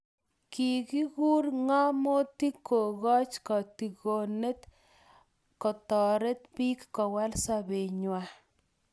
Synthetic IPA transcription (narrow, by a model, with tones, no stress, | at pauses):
ki˨ki˦ɡu˦ɾŋa˦mo˦t̪i˦ko˨ɣɔ˦t͡ʃkɔ˨t̪i˨ɡo˨ne˦t̪ | kɔ˨t̪ɔ˨ɾe˦t̪pi˦kːɔ˨wa˦lsa˦be˨ɲwa˦